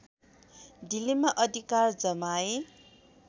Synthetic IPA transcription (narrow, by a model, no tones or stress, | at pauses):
d̪ilimaʔʌd̪ʱikard͡zʌmae